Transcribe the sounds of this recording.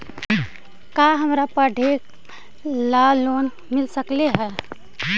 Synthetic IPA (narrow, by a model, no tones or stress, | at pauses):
kaɦəmɾapəɖʱek | laloːn | mɪlsəkleɦɛː